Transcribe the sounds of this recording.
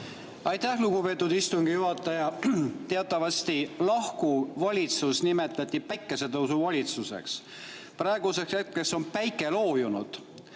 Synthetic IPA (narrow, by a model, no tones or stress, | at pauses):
ɑjt̪æhluɡupe̞ːt̪ːˑud̪ist̪uŋɡ̥ijuɦɑt̪ːˑɑjɑt̪e̞ɑt̪ˑːɑvɑst̪ilɑhkuvɑlʲit̪susnime̞t̪ˑlɑt̪ʲːˑipæjkːˑe̞se̞t̪ɤwsuvɑlʲit̪suse̞̰ks | prɑe̞ɡ̥use̞kset̪̚ke̞so̞npæjkːˑe̞lo̞ːjunṵd̪̥